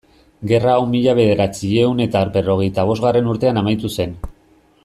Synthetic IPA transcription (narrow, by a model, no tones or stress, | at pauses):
ɡe̞raːwmiʎaβ̞e̞ðe̞ɾat͡sieune̞t̪aɾpe̞ro̞ɣ̞e̞jt̪aβ̞o̞zɣare̞nuɾt̪e̞anamajt̪use̞n